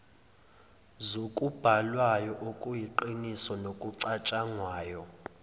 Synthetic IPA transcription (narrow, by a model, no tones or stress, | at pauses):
zokʼub̥ʱalwajɔʔokʼujiǃinisɔnokʼuǀat͡ʃʼaŋwaːjɔ